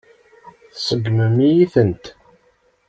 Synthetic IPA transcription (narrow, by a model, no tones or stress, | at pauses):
θsəɡməmijiθənt̪